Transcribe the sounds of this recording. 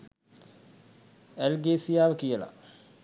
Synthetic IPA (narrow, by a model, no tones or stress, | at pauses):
elɡeːsijaːʋəkijəla̰